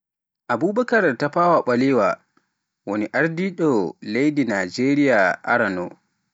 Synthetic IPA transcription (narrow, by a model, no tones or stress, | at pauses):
ʔabuːbakaɾtapaːwaɓaliwa | woniʔaɾdiɗɔlejdinaːd͡ʒeːɾijaʔa̰ɾanɔ̰